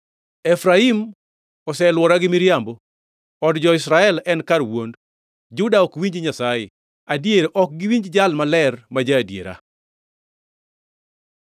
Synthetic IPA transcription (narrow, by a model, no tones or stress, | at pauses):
ɛfɾaim | ɔsɛlwɔɾaɡɪmiɾjambɔ | ɔdd͡ʒɔɪsɾaɛlɛnkaɾwond | d͡ʒʊdaɔkwiɲd͡ʒɲasajɪ̰ | adjeɾʔɔk̚ɡɪwiɲd͡ʒd͡ʒalmalɛrmad͡ʒaːdjḛɾa̰